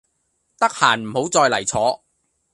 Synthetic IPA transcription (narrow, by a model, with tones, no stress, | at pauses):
t̪ɐ˥k̚haː˨˩nm̩˨˩ho˨˥wt͡sɔː˧jlɐ˨˩jt͡sʰɔː˨˥